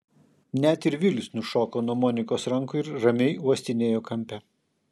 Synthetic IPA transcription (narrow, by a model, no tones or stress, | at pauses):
nʲɛt̪ɪɾʋʲilʲɪsnʊʃoːkoːnuɔmɔːnʲɪkoːsɾɐŋkʊɪɾɾɐmʲɛɪuɔsʲt̪ʲɪnʲeːjoːkɐmʲpʲɛ